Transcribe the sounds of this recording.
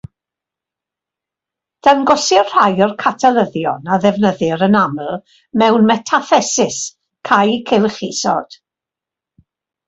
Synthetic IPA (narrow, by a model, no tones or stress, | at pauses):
d̥anɡɔsɪrr̥ajɔrkʰatʰɛlˠəðjɔnaðɛvnəðɪɾənaml̩ˠ | mɛwnmɛtʰaθɛsɪs | kʰajkʰɛlˠχisɔ̰d̥